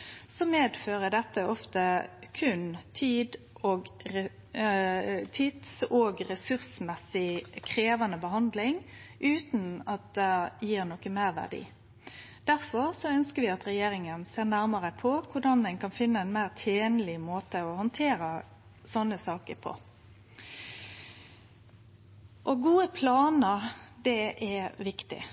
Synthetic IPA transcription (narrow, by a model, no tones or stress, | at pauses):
sɔmeːd̪føːɾəd̪ɛt̪ːəʔɔft̪əkʰʉnt̪ʰiːd̪ | oːɡɛ | t̪ʰit̪soːɡɾɛsʉɾsmɛsɪkʰɾeːʋɑnəbəɦɑnd̪lɪŋʔʉːt̪n̩ɑt̪̚d̪ɛjiːɾnɔkəmæɪɾʋæ̰ʁɖḭː | d̪̥æʁfɔɾsɔœnskəɾʋɪɑt̪ɾɛjeːɾɪŋənseːʁnæɾməɾəpʰɔkʰʊɖɑnd̪ɛɪnkʰɑnfɪnːəɛɪnmæɪʁt̪ʰeːnlɪmoːt̪əɔhɔnt̪ʰeːɾə | sɔnːəsɑːkəɾpʰɔ̰ | ʔɔɡuːəpʰlɑːnəd̪ɛʔɛʋɪkt̪ɪ̰